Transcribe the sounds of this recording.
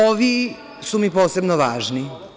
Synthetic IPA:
oʋi | sumipo̞ːse̞bnoʋa̰ːʒni

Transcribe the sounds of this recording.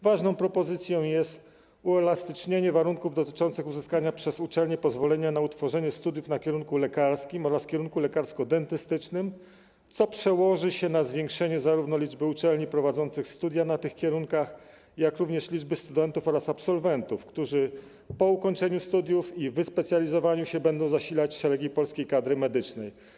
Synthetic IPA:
vaʐnɔ̃w̃pɾɔpɔzɘt̪sʲjɔ̃w̃jɛst̪ | uɛlast̪ɘt͡ʂɲeɲɛvaɾuŋkuvd̪ɔt̪ɘ̥t͡ʂɔnt̪sɘxuzɘskaɲapʂɛzut͡ʂɛlɲɛpɔzvɔlɛɲanaut̪fɔʐɛɲɛst̪ud̪jufnakʲɛɾuŋkulɛkaɾskʲimɔɾaskʲɛɾuŋkulɛkaɾskɔd̪ɛnt̪ɘst̪ɘt͡ʂnɘm | t̪sɔpʂɛwɔʐɘɕɛnazvʲjɛŋkʂɛɲɛzaɾuvnɔlʲid͡ʐbɘut͡ʂɛlɲipɾɔvad̪zɔnt̪sɘxst̪ud̪ʲjanat̪ɘxkʲɛɾuŋkax | jakɾuvɲɛʂlʲid͡ʐbɘst̪ud̪ɛnt̪ufɔɾasapsɔlvɛnt̪ufkt̪uʐɘ | pɔukɔɲt͡ʂɛɲust̪ud̪ʲjufivɘspɛt̪sʲjalʲizɔvaɲuɕɛbɛnd̪ɔ̃w̃zaɕilat͡ɕʂɛɾɛɡʲipɔlskʲejkad̪ɾɘmɛd̪ɘt͡ʂnɛj

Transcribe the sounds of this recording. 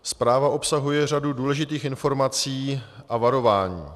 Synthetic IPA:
spɾaːvaʔo̞psaɦujɛr̝aduduːlɛʒɪt̪iːxɪnfo̞ɾmat͡siːʔavaɾo̞vaːɲḭː

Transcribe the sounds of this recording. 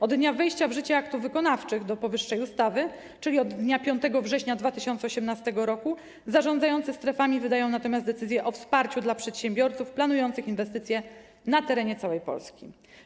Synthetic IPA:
ɔd̪ːɲavɛjɕt͡ɕavʐɘt͡ɕɛakt̪uvvɘkɔnaft͡ʂɘɣd̪ɔpɔvɘʂːɛjust̪avɘ | t͡ʂɘlʲiɔd̪ːɲapʲjɔ̃nt̪ɛɡɔvʐɛɕɲad̪vat̪ɘɕɔnt̪ɛɔɕɛmnast̪ɛɡɔɾɔku | zaʐɔ̃nd̪zajɔnt̪sɘst̪ɾɛfamʲivɘd̪ajɔ̃w̃nat̪ɔmʲazd̪d̪ɛt̪sɘzʲjɛʔɔfspaɾt͡ɕud̪lapʂɛt̪ɕɛmʲbʲjɔɾt̪sufplanujɔnt̪sɘxinvɛst̪ɘt̪sʲjɛ | nat̪ɛɾɛɲɛt̪sawɛjpɔ̰lskʲḭ

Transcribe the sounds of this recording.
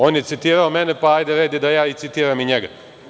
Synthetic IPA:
oːnjet̪sit̪iːɾaomenepaajd̪eɾed̪jed̪ajaːit̪sit̪iːɾamiɲeɡa

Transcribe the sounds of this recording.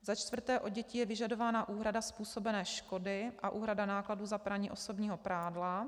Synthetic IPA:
zat͡ʃt̪vr̩t̪ɛːʔo̞ɟɛcijɛvɪʒado̞vaːnaʔuːɦɾadaspuːso̞bɛnɛːʃko̞dɪʔaʔuːɦɾadanaːkladuːzapɾaɲiːʔo̞so̞bɲiːɦo̞pɾaːdla

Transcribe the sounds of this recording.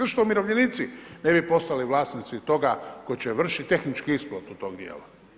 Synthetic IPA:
rʃt̪omiɾo̞ʋʎenit̪sine̞bipo̞st̪aliʋlˠaːsnit̪sit̪o̞ɡakot͡ɕeʋr̩ʃit̪t̪e̞xnit͡ʃkiisplot̪ut̪o̞ːɡd̪jḛːla

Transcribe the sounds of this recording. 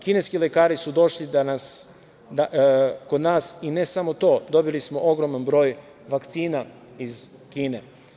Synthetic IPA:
kine̞skile̞kaːɾisud̪o̞ʃlid̪anas | d̪ako̞d̪naːsine̞samo̞t̪o̞ːd̪o̞bilismo̞ʔo̞ɡɾo̞manbɾo̞ːj | ʋakt̪siːna | izkiːne̞

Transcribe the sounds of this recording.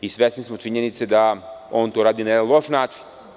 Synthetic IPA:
isʋesnismot͡ʃiɲenit̪sed̪ao̞ːnt̪oɾaːd̪inaed̪anlˠo̞ʃnaːt͡ʃi̥n

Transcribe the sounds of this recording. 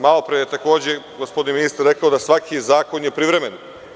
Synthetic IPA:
malˠopɾejet̪ako̞ːd͡ʑeɡospod̪iniminist̪aɾːe̞kaod̪asʋakʰizaːko̞njepɾiʋɾemen

